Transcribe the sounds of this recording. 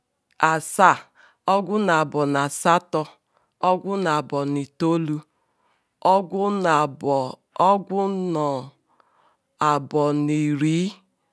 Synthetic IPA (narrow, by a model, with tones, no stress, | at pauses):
a˨sa˦˨ | ɔ˦ɡʷʊ˦na˨a˨bɔ˨na˨sa˦tɔ˦ | ɔ˦ɡʷʊ˦na˨bɔ˨ni˨to˦lu˦˨˦ | ɡʷʊ˦nɔ˨ | a˨bɔ˨ni˨ɾiː˨˦